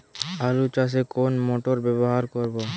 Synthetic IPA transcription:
alut͡ʃas̬ekonmoʈoɾbɛβoɦaɾkoɾbo

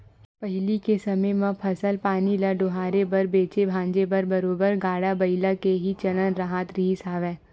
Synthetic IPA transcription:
pɐɦɪlikesɐməjmãpʰɐsəlpaːnilaɖʊɦaːɾebɐɾbeːt͡ʃebʱãːɲd͡ʒebɐɾbɐɾoːbəɾɡaːɽabɐɪlakeɦit͡ʃɐlənɾaɦaːt̪ɾiːsaːʋɛ̃ː

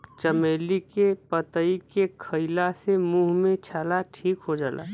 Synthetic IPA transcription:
t͡ʃəmeːlikepət̪əikekʰəɪlasemuːɦmẽt͡ʃʰaːlaʈʰiːkɦod͡ʒaːlʔa̰ː

